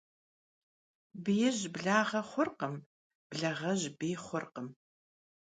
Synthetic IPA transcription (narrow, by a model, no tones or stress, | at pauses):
bɨjɪʑbɮaːʁɐχʷʊrqəm | b̥ɮɐʁɐʑbiːχʷʊrqəm